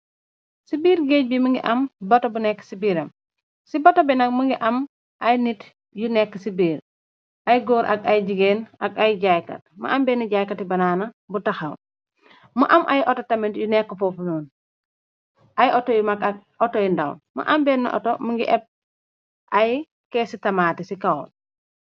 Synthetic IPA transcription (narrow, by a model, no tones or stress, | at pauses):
sibiːɾɡeːc̚bimuŋɡḭʔɐmbɐtobunɛkːsibiːɾɐm | sibɐtobɛnɐk̚muŋɡiʔɐm | ʔɐjnit | junɛkːsibiːɾ | ʔɐjɡoːɾʔɐ̰ɡɐjɟiɡeːnɐɡajɟajkɐ̰t̚mṵʔɐmbɛːniɟaːjkɐtibɐnaːnɐ | butɐxɐw | muʔɐmʔa̰jʔɔtotɐmintjunɛkːəfɔfunuːn | ʔajʔotɔjumakak̚ | ɔtɔjindɐ̰wmṵʔɐmbɛnːɐ̰ʔɔ̰tomuŋɡḭʔɛp̚ | ʔaj | kɛsitɐmaːtisikawon